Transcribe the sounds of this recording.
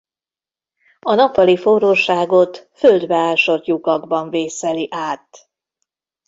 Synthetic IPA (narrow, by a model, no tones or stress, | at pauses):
ɒnɒpvɒlifoɾoːʃaːɡo̞t̪føld̪bɛaːʃo̞t̪jukɒɡbɒɱveːsɛliʔaːt̪